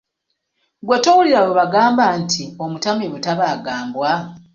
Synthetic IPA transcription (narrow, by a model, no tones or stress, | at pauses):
ɡwetowuliɾawoβaɡaːmbantʰio̞mutamiβutaβaːɡaːmbwa